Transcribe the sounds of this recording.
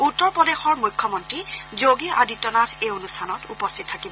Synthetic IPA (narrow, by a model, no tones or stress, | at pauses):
utːɔɹpɹɔdexɔɹmujkʰːɔmɔntɹizoɡia̰ditːɔnatʰeonustʰanɔtupɔstʰit̚tʰːakibɔ